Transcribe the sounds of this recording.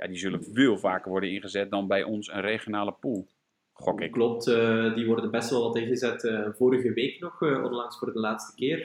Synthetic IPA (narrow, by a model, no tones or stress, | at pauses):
ja̰dizølənveːlˠvaːkərʋɔrdənɪnɣəzɛt̚dɔnbɛjʔɔnsənreχjonaːləpulˠ | χɔkɪkklɔp̚tdiʋɔrdənbɛstʋɛlˠʋɑtɪnɣəzɛtːvoːɾəɣəʋeːknɔxɔ̰nlɑŋsfoːrdəlaːtstə̥kɪːr